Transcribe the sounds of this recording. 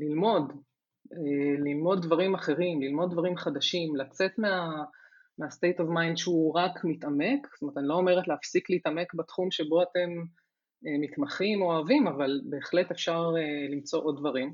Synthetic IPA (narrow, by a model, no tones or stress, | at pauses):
lilmo̞d | elilmo̞d̪̚ːvaʁimaχe̞ʁimlilmo̞d̚ːvaʁimχad̪aʃimlat͡se̞tmea | meast̪e̞jtovmajnʃeuʁakmitame̞kstomet̪anilo̞ome̞ʁetleafsikliiːtame̞kbatχumʃe̞bo̞ate̞m | emitmaχimoaːvimavalbe̞ːχle̞tefʃaʁelimt͡so̞ʔo̞d̪̚dvaʁim